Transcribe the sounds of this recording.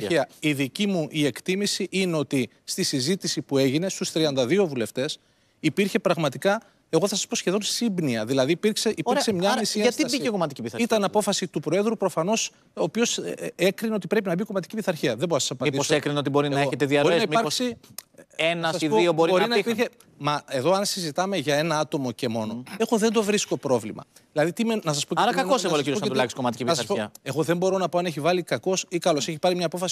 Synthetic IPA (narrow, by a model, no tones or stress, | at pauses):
iɐiðicimuʔie̞kt̪imisiʔineo̞t̪i | st̪isizit̪isipue̞ʝine̞st̪ust̪ɾiɐnd̪ɐðio̞vule̞ft̪e̞s | ipiɾçe̞pɾɐɣmɐt̪ikɐ | e̞ɣoθɐsɐ̥spo̞sçe̞ðo̞nsibniɐðilɐðiːpiɾkseʔipiɾksemɲɐisiɐɐst̪ibiekomɐt̪icipiθɐit̪ɐnɐpo̞fɐsit̪upɾoe̞ðɾupɾo̞fɐno̞s | oːpio̞sekɾineo̞t̪ipɾe̞p̬inɐbioko̞mɐt̪̬i̥cipiθɐɾçiɐðebo̞ɾosɐsɐpɐnid̪iosekɾineo̞t̪̬ibo̞ɾinɐeoet̪eðiɐɾinɐimɐɾsi | enɐsɐsiðoioboɾiboɾinɐipiɾçe | mɐe̞ðo̞ɐnsizit̪ɐme̞ʝɐe̞nɐɐt̪o̞mo̞ce̞mo̞noeɣoðend̪ovɾisko̞pɾo̞vlḭmɐ̰ | ðilɐðit̪imenɐs̬ɐspo̞ceɐɾɐkɐkoseɣoɐociɾooulɐkskomɐt̪i̥cipnɐsɐspoɐe̞ɣo̞ðembo̞ɾo̞nɐpo̞ɐne̞çivɐlikɐko̞sikɐlo̞se̞çipɐɾimɲɐːpo̞fɐsi